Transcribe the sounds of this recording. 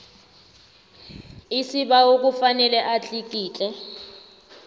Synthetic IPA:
isiɓaok̬ʼufanɛlɛʔat͡ɬʼik̬ʼiːt͡ɬʼɛ

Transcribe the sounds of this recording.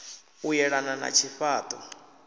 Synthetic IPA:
ujɛɺanana̰t͡ʃʰiɸaːt̪ʼɔ

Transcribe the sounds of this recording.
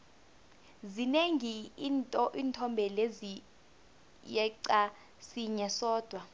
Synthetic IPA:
zineŋinʼiːntʰɔmbʱɛlezi | jɛǀa | siɲɛsɔːd̥ʱwa

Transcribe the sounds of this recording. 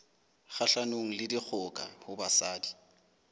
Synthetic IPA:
χaɬanoŋ̩lɪdik͡xʰʊkʼa̰hʊbasaːdi

